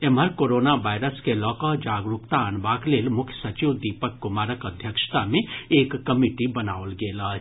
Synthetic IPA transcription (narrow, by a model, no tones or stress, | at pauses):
eməɾkoɾoːnaʋajɾəskelɔːkəɦd͡ʒaːɡɾukt̪aːnbaːkleːlmʊkʰjə̥sət͡ʃiwd̪ipəkːʊmaːɾəkəd̪ʱjəkʃt̪amẽeːkːəmiʈibɐnaːolɡeːla